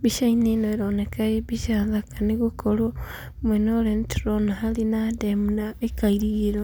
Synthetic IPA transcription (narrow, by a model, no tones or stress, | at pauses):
βiʃaininoeɾonekaiβiʃaðakaniɣukolo | mwenolentɾonaɦalinademunaekaiɾiɾo